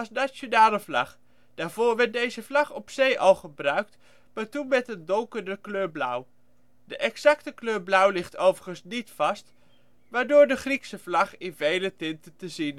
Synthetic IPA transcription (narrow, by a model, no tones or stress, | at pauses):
ɑsnat͡ʃonaːləvlɑχ | d̥aːɹvʊːɹʋɛɹt̚dejzəvlɑχɔpsejʔɑlˠχəbrœɥk̚t | maːɹtunmɛtəndɔŋkəɹdəkløːɹblʌw | dəʔɛksɑktəkløːɹblʌwlɪχtowvəɹχənsnitfɑst | ʋaːɹdʊːɹdəχriksəvlɑχɪnvejlətɪntətəzin